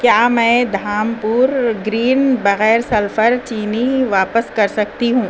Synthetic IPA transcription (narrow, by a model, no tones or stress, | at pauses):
kjaːmɛ̃ːd̪ʱaːmpuːɾɡɾiːnbɐɣɛːɾsɐlfəɾt͡ʃiːniʋaːpəskɐɾsɐk̚t̪iɦũː